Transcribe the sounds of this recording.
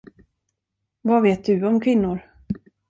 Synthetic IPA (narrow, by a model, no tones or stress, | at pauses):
vaveːt̪̚d̪ɵɔmkʰvɪnːʊɾ